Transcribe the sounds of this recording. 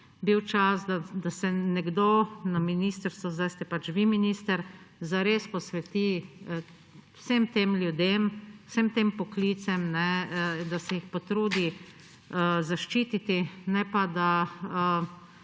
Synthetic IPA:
biwt͡ʃasd̪ad̪asɛnɛɡd̪onaminiːst̪əɾst̪ʋɔzd̪ajst̪ɛpat͡ʃʋiminiːst̪əɾzaɾespɔsʋɛt̪i | wsemt̪emlʲjud̪emsəmt̪eːmpɔkliːt̪sɛmnɛd̪asɛjixpot̪ɾuːd̪i | əzaʃt͡ʃiːt̪it̪inɛpad̪aə

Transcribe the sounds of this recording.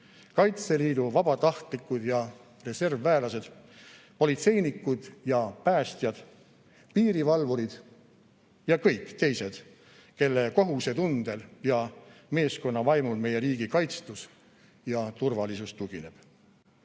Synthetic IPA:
kɑjt̪se̞liːd̪uvɑb̥ɑt̪ɑht̪likːˑud̪̥jɑ | re̞se̞rvːæːlɑse̞d̪̥ | po̞lit̪se̞jnikːud̪̥jɑpæːst̪jɑd̪̥ | piːɾivɑlvuɾid̪̥ | jɑkɤjkˑːt̪e̞jse̞d̪̥ | ke̞lːeko̞ɦuse̞t̪und̪̥e̞ljɑme̞ːsko̞nːɑvɑjmulme̞je̞ɾiːɡ̥ikɑjt̪st̪us | jɑt̪urvɑlisust̪uɡ̥ine̞b̥

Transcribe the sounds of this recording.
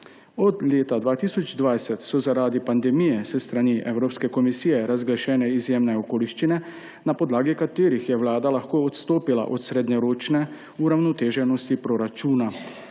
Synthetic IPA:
ɔd̪leːt̪ad̪ʋaːt̪isɔd͡ʒd̪ʋajsɛt̪sɔzaɾaːd̪ipand̪ɛmijɛsɛst̪ɾaniʔɛwɾoːpskɛkɔmisiːjɛɾazɡlaʃɛːnɛizjeːmnɛokoːliʃt͡ʃinɛ | napɔd̪laːɡikat̪eːɾixjɛʋlaːd̪alaxkoːɔt̪st̪oːpila̰ʔɔt̪sɾed̪ɲɛɾoːt͡ʃnɛ | uɾawnɔt̪eːʒɛnɔst̪ipɾɔɾat͡ʃuːna

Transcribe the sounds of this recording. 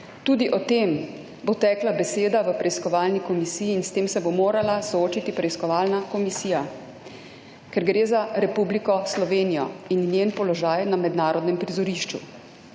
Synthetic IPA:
t̪uːd̪iʔɔt̪eːm | bot̪ɛːklabɛseːd̪aʋəpɾɛiskɔʋaːlnikɔmisiːjiːnst̪eːmsɛbomoːɾalasɔoːt͡ʃit̪ipɾɛiskɔʋaːlnakɔmisiːja | kɛɾɡɾeːzaɾɛpublikɔslɔʋeːnijɔ̰innjenpɔlɔʒaːjnamɛd̪naːɾɔd̪nɛmpɾizɔɾiːʃt͡ʃṵ

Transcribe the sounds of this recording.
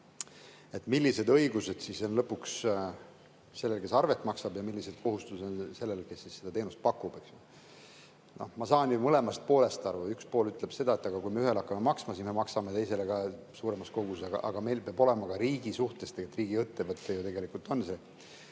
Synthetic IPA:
e̞t̪milʲːise̞d̪ɤiɡ̥use̞d̪̥siso̞nlɤpːuks | se̞lːelke̞sɑrve̞t̪ːˑmɑksɑbjɑmilːise̞d̪̥̚ko̞ɦust̪usnse̞lːe̞lke̞sːisːe̞d̪ɑt̪e̞ːnust̪̚pɑkːˑub̥e̞ksole | no̞hmɑsɑːnjumɤle̞mɑst̪̚po̞ːle̞st̪ɑrvɑykspo̞ːlyt̪ˑle̞b̥se̞d̪ɑe̞t̪ːˑɑɡ̥ɑkujmeyɦe̞lɑkːˑɑme̞mɑksmɑsisme̞mɑksɑmet̪e̞jse̞le̞ɡ̥ɑsuːɾe̞mɑsko̞ɡusɑɡ̥ɑ̰ʔɑ̰ɡ̥ɑme̞jlpeɑbo̞le̞mɑkɑɾiːɡ̥isuht̪e̞st̪eet̪riːɡ̥iɤt̪ːevɤt̪ːˑe̞jut̪e̞ɡe̞likult̪ˑo̞nse

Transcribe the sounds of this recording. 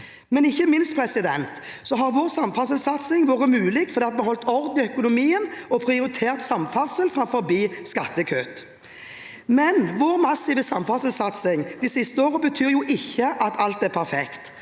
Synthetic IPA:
mɛnɪçːəmɪnst̪pʰɾɛsɪd̪ɛnt̪sɔɦɑɾʋoːʁsɑmfɑsəlsɑt̪sɪŋʋoːʁəmʉːlɪkfɔʁd̪eːt̪̚mɛhɔlt̪ɔʁd̪ɪœkʊnʊmiːənɔpʰɾɪʊɾɪt̪ʰeːʁt̪sɑmfɑʁsəlfɾɑmfɔɾbiːskɑt̪ːəkʰøːt̪ | mɛnʋoːɾmɑsiːʋəsɑmfɑsəlsɑt̪sɪŋd̪isɪst̪əoːʁəbət̪ʰyːɾjʊʔɪçːəʔɑt̪ʰɑlt̪ɛʁpʰæʁfɛkt̪

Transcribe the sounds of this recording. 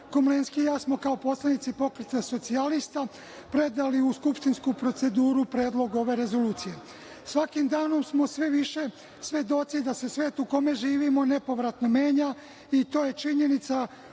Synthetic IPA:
komlenskijaːsmo̞kaopo̞slˠenit̪sipo̞kɾet̪eso̞t̪sialist̪a | pɾe̞d̪aliuskupʃt̪inskupɾo̞t̪se̞d̪uːɾupɾe̞ːd̪lˠo̞ɡo̞ʋe̞ɾe̞zo̞luːt̪sije̞ | sʋakimd̪aːno̞msmo̞sʋe̞ʋiʃe̞ | sʋʲje̞d̪o̞t̪sid̪ase̞sʋe̞ːt̪uko̞me̞ʒiːʋimo̞ne̞po̞ʋɾat̪no̞me̞ːɲa | it̪o̞ːje̞t͡ʃiɲe̞nit̪sa

